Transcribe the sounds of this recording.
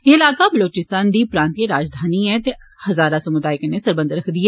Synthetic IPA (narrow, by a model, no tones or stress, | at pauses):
jeɪlaːkabɐloːt͡ʃɪst̪ãːnd̪ipɾãːnt̪iɾaːd͡ʒd̪ʱaːniɦɛ̃t̪e | hɐzaːɾasɐmʊd̪aːɪknesɐɾbə̃nd̪ɾɐkʰd̪ieː